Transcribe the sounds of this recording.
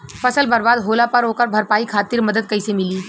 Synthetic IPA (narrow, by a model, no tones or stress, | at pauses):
pʰɐsəlbɐɾbaːd̪ɦoːlapɐɾoːkəɾbʱɐɾpaːikʰaːt̪ɪɾmɐd̪əd̪̚kɐɪsemɪliː